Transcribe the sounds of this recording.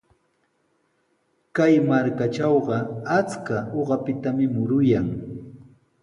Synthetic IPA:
kajmaɾkat͡ʃɑwɢɑat͡skaoɢɑpɪt̪amɪmʊɾʊjaŋ

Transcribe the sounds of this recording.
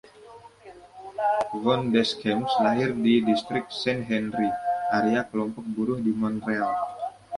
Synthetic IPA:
vɔndɛskɛmslaɦɪrdidist̪ɾɪk̚sɛnɦɛnɾiʔaɾeakəlɔmpɔk̚buɾʊhdimɔnreal

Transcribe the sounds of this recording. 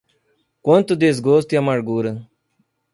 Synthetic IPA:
kont̪ud̪es̬ɡoːst̪jamɐɽɡuːɾə

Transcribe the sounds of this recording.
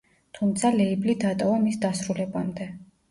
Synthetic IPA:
t̪ʰumt̪sʰalɛiblid̪at̪ʼɔvamisd̪asɾulɛbamd̪ɛ

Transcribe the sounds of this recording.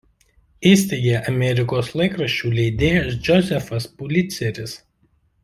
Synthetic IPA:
iːsʲt̪ʲeɪɡʲeːʔɐmʲɛɾʲɪkoːslˠɐɪkɾɐʃʲt͡ʃʲuːlʲɛɪd̪ʲeːjsd͡ʒʲɔzʲɛfɐspʊlʲɪt̪sʲɛɾʲɪs

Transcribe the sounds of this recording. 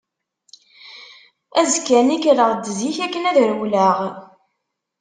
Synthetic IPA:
æzkːænikɾəʁd̪əziçækːənæðɾwləʁ

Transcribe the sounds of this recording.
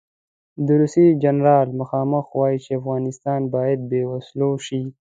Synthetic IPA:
d̪əɾusid͡ʒanɾɑlmʊxɑːməxwɑjit͡ʃeafɣɑnɪst̪ɑnbɑjad̪̚bewasloʃi

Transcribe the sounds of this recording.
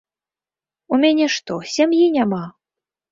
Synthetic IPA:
umʲanʲɛʂt̪ɔsʲamjinʲama

